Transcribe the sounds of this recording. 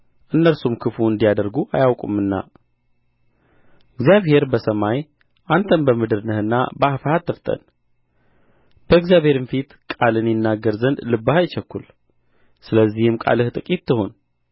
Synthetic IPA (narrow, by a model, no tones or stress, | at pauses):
ʔɨnːəlsumkʰɨfuɨnd̪ijad̪əɾɡuʔajawkʼumɨnːa̰ | ɨɡzijaβhe̞ɾbəsəmaj | ʔant̪ʰənbəmɨd̪ɨɾnɨhɨnːa̰bəafəhat̪ʰːəft̪ʼə̰n | b̥əɨɡzjaβhe̞ɾɨnfit̪kʼalɨnjɪnːaɡːəɾzənd̪lɨbːahajt͡ʃɛkːul | sɨləzːihɨmkʼa̰lɨht̪ʼɨkʼit̪ʰːɨɦon